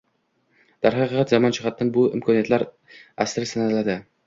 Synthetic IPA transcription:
d̪̥aɾhɑqɨqɑt̪zamɒnt͡ʃʰɪχɑt̪̚ːanbʊɪ̰mkʰɒnijat̪laɾ | asɾɪsanalad̪ɪ

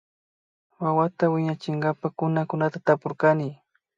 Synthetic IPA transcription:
wawat̪awɪɲat͡ʃɪŋɢapakʊnakʊnat̪at̪apoɾkanɪ

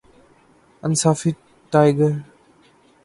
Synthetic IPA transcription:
ɐnsafi | tːajɡəɾ

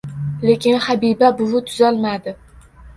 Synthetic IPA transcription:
le̞kʲɪnhabibabʊwʊt̪ʰʊzalmad̪ɪ

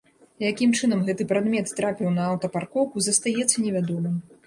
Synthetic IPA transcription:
jakʲimt͡ʂɨnɐmɣɛt̪ɨpɾad̪mʲɛt̪ːɾapʲiwnɐːwt̪ɐparkɔwkuzɐst̪ajɛt̪sːɐnʲɛvʲad̪ɔmɨm

